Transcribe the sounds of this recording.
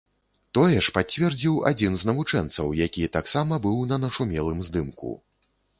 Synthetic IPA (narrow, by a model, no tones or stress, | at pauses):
t̪ɔjɛʂpat͡sʲvʲɛrd͡zʲiwa̰d͡zʲinznɐvut͡ʂɛnt̪sɐ̰wjakʲiɛt̪aksamɐbɨwnɐnɐʂumʲɛlˠɨmzd̪ɨmkṵ